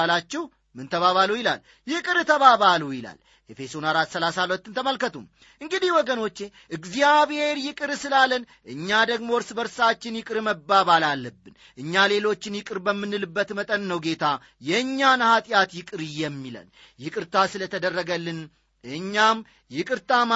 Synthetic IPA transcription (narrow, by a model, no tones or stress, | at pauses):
lat͡ʃːɛh | mɨnt̪ʰəβaβalujɪla̰l | jɪkʼɨɾt̪ʰəβaβalujɪla̰l | jefe̞sonaɾat̪səlasalət̪ːɨnt̪ʰəməlkət̪ʰum | ʔɨŋɡɨd̪ihwɔɡəno̞t͡ʃːe̞ | ʔɨɡzijaβhe̞ɾjɪkʼɨɾsɨlalənʔɨɲːad̪əɡmo̞ɨɾsbəɾsat͡ʃːɪnjɪkʼɨɾməbːaβalalːəbːɨn | ʔɨɲːale̞lo̞t͡ʃːɪnjɪkʼɨɾbəmːɨnːɨlɨbːət̪mət̪ʼənːəwɡe̞t̪ʰa | jɛɨɲːanhat̪ʼjat̪jɪkʼɨɾɨjɛmːila̰n | jɪkʼɨɾt̪ʰasɨlət̪ʰəd̪ərːəɡəlːɨn | ɨɲːam | jɪkʼɨɾt̪ʰam